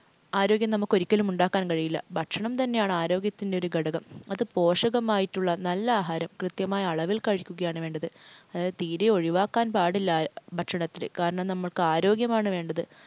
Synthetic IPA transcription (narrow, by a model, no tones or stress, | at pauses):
aːɾo̞ːɡjɐmnɐmːukːo̞ɾikʲːɐlumuɳɖaːkːaːnkɐɻijilːɐ̰bʱɐʈʂɐɳɐmt̪ɐnːe̞jaːɳɨaːɾo̞ːɡjɐt̪ːinde̞oɾuɡɐɽɐɣɐmɐðɨpo̞ːʂɐɣɐmaːjitːuɭːɐnɐlːɐaːɦaːɾɐmkrɨt̪jɐmaːjɐːɭɐʋilkɐɻikʲːuɣɐjaːɳɨʋe̞ːɳɖɐðɨɐðat̪iːɾeo̞ɻiʋaːkːaːnpaːɽilːabʱɐʈʂɐɳɐt̪ːilɨ̰kaːɾɐɳɐmnɐmːɐɭkɨaːɾo̞ːɡjɐmaːɳɨʋeːɳɖɐðɨ